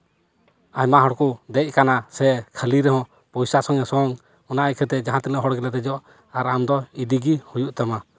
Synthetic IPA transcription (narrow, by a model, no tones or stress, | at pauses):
ajmaɦɔɽkud̪ɛc̚ˀkanasɛkʰəliɾɛɦɔ̃ | pɔjsasɔŋɛsɔŋ | ɔnaʔajkʰɛt̪ɛd͡ʒaɦãt̪ilaɦɔɽɡɛlat̪ɛd͡ʒɔʔ | aɾamd̪ɔid̪iɡihujuʔt̪ama